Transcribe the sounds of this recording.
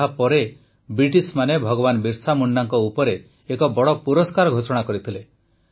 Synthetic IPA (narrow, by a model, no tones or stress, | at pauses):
apɔɾe | bɾiʈismanebʱɔɡɔβanbiɾsamuɳɖaŋkɔupɔɾeː | kɔbɔɽɔpuɾɔskaɾɔɡʱosɔɽ̃akɔɾit̪ʰile